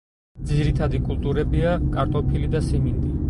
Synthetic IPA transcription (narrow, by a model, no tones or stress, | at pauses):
d̪ziɾit̪ʰad̪ikʼulˠt̪ʼuɾɛbiakʼaɾt̪ʼɔpʰilid̪asimind̪ʼi